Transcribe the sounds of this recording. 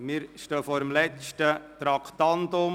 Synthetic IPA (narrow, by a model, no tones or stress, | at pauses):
mɪɾʃtøːfɔːɾəmlɛt͡ʃtət̪ɾɑkʰt̪ɑnt̪ʊm